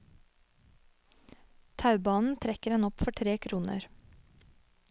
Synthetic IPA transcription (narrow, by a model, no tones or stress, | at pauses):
t̪ʰɑʉbɑːnn̩t̪ʰɾɛkəɾɛnɔpfɔʈʰɾeːkʰɾuːnə̰ɾ